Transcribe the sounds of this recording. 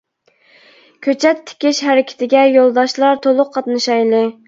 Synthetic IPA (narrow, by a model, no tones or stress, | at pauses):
kʲʰøt͡ʃʰɛt̪ʰːɪ̥kʲɪʃhæɾɪkʲʰɪ̥t̪ʰɪɡʲɛjolˠd̪ɑʃlˠɑɾt̪ʰolˠʊqʰːɑt̪nɨʃɑjlˠɨ